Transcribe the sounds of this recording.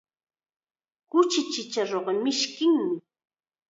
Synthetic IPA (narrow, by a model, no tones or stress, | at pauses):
kʊt͡ʃɪt͡ʃɪt͡ʃaɾoɢɑmɪʃkɪŋmɪ